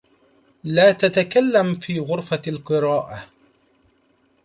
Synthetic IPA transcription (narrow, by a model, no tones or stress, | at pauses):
laːt̪at̪akalːamfiːɣʊɾfalqɨɾɑːʔa